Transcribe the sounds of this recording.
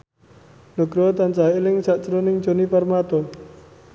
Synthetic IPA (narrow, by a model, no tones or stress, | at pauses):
nuɡ̥ɾɔt̪ant͡ʃailɪŋsaʔt͡ʃəɾonɪŋ̥ʒ̥o̤niparmat̪ɔ